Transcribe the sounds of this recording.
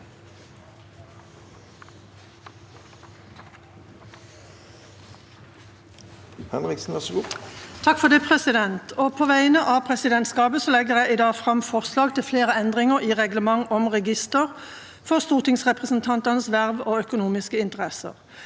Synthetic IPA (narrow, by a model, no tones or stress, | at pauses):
hɛnʁɪksn̩ʋæʁsɔɡuːt̪ʰɑkfɔʁd̪ɪːpʰʁɛsɪd̪ɛnt̪ʰoːpʰoːʋæɪnəʔɑːpʰʁɛsɪd̪ɛnt̪skɑːbəsɔlɛɡəʁjæɪɪd̪ɑːfʁɑmfɔʁslɑːɡt̪ʰɪlfleːʁəɛnd̪ʁɪŋəʁiːʁɛɡləmɑŋɔmʁɛɡɪst̪əʁ | fɔʁst̪uːʁt̪ɪŋsʁɛpʁəsn̩t̪ʰɑnt̪ɑnəsʋæʁʋoːœkʊnuːmɪskəɪnt̪əʁɛsə̰ʁ